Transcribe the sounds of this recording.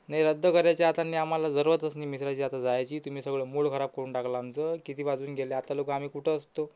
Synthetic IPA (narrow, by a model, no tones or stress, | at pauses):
najɾəd̪ʱːəkəɾjat͡ɕjaat̪anːiːam̤alad͡zəɾʋət̪əsniːmisɾat͡ɕiːat̪ad͡zajt͡ɕiːt̪um̤iːsəɡɭəːmuɭkʰəɾab̚kəɾuːɳʈakʰlaːnt͡səkit̪iːbad͡zuːnɡeleat̪alokam̤iːkuʈʰəəst̪o